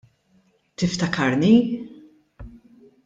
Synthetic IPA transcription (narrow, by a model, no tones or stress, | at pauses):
t̪ɪft̪ɐkʰɐɾni